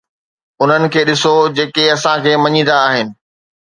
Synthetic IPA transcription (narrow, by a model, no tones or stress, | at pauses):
ʊn̤ənɪ̆kʰeːɗɪsod͡ʑeːkeɐsãkʰeːmɐɲĩn̆d̪aːɦɪnɪ̆